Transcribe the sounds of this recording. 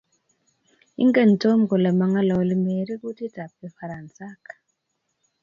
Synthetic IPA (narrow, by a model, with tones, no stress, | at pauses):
ḭ˦ŋɡe˦˨n˨to˦mɡo˨lɛ˨ma˨ŋa˦lɔ˨li˦me˨ɾi˦ku˦ti˦ta˨p̚e˨fa˨ɾa˨nsa˦kḁ˨